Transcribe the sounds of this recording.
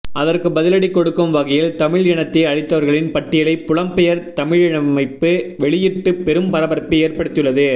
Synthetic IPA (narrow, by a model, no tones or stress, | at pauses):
ʔɐðɐrkɯbɐðɪlɐɽikːɔɽɯkːɯmʋɐɣɐjɪlt̪ɐmɪɻɛɳɐt̪ːeɐɻɪt̪ːɐʋɐɾɣɐɭɪnpɐʈːɪjɐlɐɪpʊɭɐmpɛjɐɾt̪ɐmɪɻɪɳɐmɐɪpːɯʋɛɭɪjɪʈːɯpɛɾɯmpɐɾɐbɐɾɐpːɯeːɾpɐɽɯt̪ːɪjɯɭːɐðɯ